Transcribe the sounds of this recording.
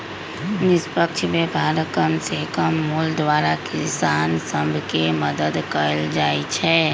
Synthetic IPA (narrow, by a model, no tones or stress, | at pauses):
nɪspəkt͡ʃʰmebʱaːɾəkəmsekəmːuld̪ʋaːɾakɪsaːnsə̃mbʱkeməd̪əd̪kəɾəld͡ʒaːit͡ʃʰɛ